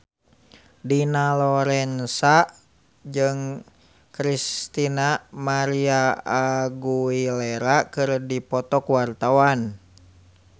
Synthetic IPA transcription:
dinalɔɾɛnsa | d͡ʒɨŋ | kɾist̪inamaɾiaː | ɡuilɛɾakɨrdipɔt̪ɔkuwart̪awan

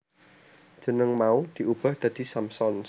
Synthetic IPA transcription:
ʒ̥ə̤nəŋmaud̪̥i̤ub̥a̤hd̪̥ä̤d̪̥i̤samsɔn

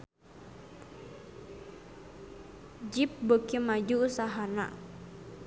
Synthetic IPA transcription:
d͡ʒip̚bəkimad͡ʒuːsaɦana̰

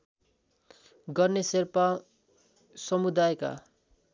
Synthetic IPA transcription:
ɡʌrneserpa | sʌmud̪ajka̰

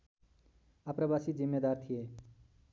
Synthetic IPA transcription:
apɾəbasid͡zimːed̪aːɾt̪ʰije

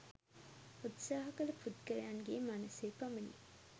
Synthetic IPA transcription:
ut̪saːɦɐkɐlɐfut̪kəɾeaŋɡeːmanɐseːpɐmɐni

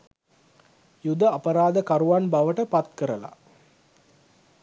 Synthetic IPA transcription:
jud̪əapəɾaːd̪əkaɾuʋanbaʋəʈəpat̪kəɾəla̰

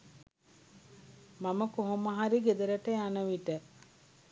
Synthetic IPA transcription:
maməkoɦomaɦaɾiɡed̪əɾəʈəjanəʋiʈə

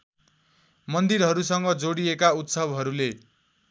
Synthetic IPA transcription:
mʌnd̪iɾɦʌɾusʌŋɡʌd͡zoɽiekaut̪sʌbɦʌɾule

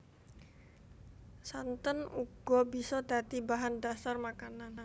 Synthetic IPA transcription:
sant̪ənuɡ̥ɔbisɔd̪at̪ibaɦandasarmakanan

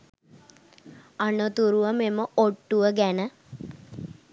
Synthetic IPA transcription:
anot̪uɾuʋəmeməoʈːuʋəɡænə

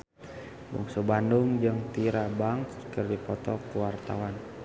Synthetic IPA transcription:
bṵŋsəbanduŋd͡ʒɨŋt̪iɾabaŋkərdipɔt̪ɔkuwart̪a̰wan

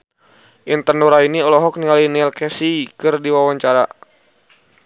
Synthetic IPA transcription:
ʔint̪ərnɔɾainiɔlɔɦɔk̚niŋalinɛlkɛsikɨrdiwawaɲt͡ʃaɾa̰

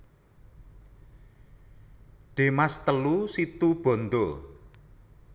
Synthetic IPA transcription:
ɖ̪̥e̤mast̪əlusit̪ub̥ɔ̤nd̪o

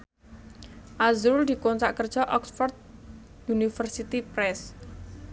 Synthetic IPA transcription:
ʔazɾuld̪̥i̤kont͡ʃaʔkərd̥ʒ̥ɔʔɔksfɔrd̪̚ | junifərsit̪ipɾɛs

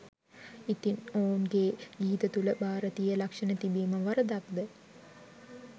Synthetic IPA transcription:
it̪inoːnɡeːɡiːt̪ət̪uləbaːɾət̪ijəlakʂənət̪ibiːməʋaɾəd̪ak̚d̪ə

